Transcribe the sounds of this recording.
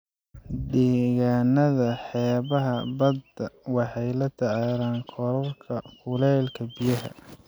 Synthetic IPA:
d̪ɛːɣaːnːɐðɐħɛːβɐɦɐbɐd̪ɐwɑħɑjlɐt̪ʰɐʕaːlaːŋkʰɔlɐrkʰɐkʊlɛːlkʰɐbijɐɦɐ̰

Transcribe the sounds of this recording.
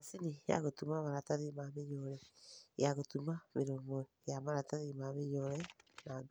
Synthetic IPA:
asinija̰ɣotumaβaɾataðimameɲɔɾɛjaɣotumameɾomɔ | jamaɾataðimameɲɔɾɛnaŋ

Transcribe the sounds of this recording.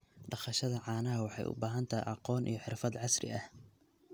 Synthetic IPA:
ɖɑχɐʃɐðɐʕɑːnɐɦɐwɑħɑ̰jʔʊ̰baːɦɐnt̪ʰɐj̰ʔɑqɔːnʔḭjɞħɪrfɐd̪ʕɑsrɪ̰ʔɐh

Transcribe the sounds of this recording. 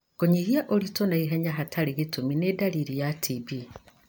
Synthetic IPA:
ɡ̥oɲiɣiaʔolitonaiɦeɲaɦatʰaliɣituminedaliɾijatʰibi

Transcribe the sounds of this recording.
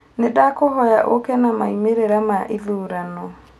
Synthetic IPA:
nedakohɔjaʔokɛnamaimeɾeɾamaʔiðuːɾanɔ

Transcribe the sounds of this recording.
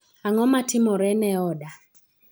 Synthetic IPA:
aŋɔmatɪmɔɾɛnɛɔda

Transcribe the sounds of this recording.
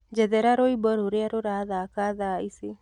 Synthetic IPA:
d͡ʒɛðɛɾaɾoibɔɾoɾeaɾoɾaðakaðaise

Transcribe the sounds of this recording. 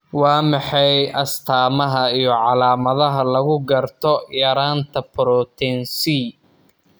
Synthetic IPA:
wɑːmɑħɑjʔɐst̪ʰaːmɐɦɐijɞʕɑlaːmɐðɐɦɐlɐɣʊɡɐrt̪ʰɔjɐɾaːnt̪ʰɐpɾɔt̪ʰɛnsi

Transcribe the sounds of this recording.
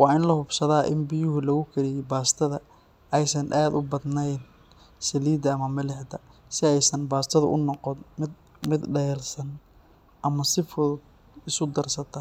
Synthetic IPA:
wɑːɪnlɐhʊbsɐðaːʔɪ̰nbɪjʊɦʊlɐɣʊkʰɐɾɪjɛbaːst̪ʰɐðɐ | ʔɛjsɐnʔaːd̪ʊbɐd̪nɛjn | sɐliːd̪ɐːmɐmɐlɛħd̪ɐ | sɪɛjsɐnbaːst̪ʰɐðʊ̰ʔʊnɔqɔnmɪd̪̚ | mɪd̪ɖɐjɛːlsɐn | ʔɐmɐsɪfʊd̪ | ɪsʊd̪ɐrsɐt̪ʰɐ

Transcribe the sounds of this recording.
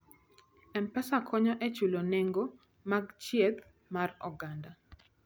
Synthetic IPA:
ɛmpɛsakʰɔɲɔʔɛt͡ʃuloneŋɡo | maɡt͡ʃjeɡ | marɔɡanda

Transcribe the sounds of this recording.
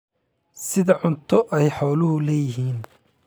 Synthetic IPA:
sɪðɐʕʊnt̪ʰɔʔɛjħɔːlʊhʊlɛːjɪɦiːn

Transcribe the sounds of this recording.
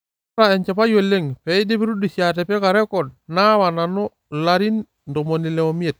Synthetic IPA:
ɾaeɲt͡ʃapajolːeŋpeidepiɾudusiatepekaɾekod̚nawanano | laɾin | ndomonileomiet̚

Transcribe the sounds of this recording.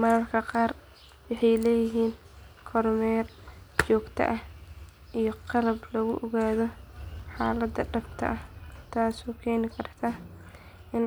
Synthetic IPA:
mɐɾɐrkʰɐqɑːr | wɑħɑjlɛːjɪɦiːn | kʰɔrmɛːrt͡ʃɔːɡt̪ʰɐ̰ʔɐh | ʔijɔqɑɾɐblɐɣʊ̰ʔɔɣaːðɔħaːlɐd̪ɐɖɐbt̪ʰɐ̰ʔɐht̪ʰaːsɔːkʰɛːnɪkʰɐrt̪ʰa | ʔɪn

